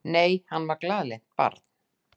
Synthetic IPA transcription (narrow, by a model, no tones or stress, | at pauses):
neːjhanːvaɾklaːðle̥t̪̚pa̰ɾt̪n̥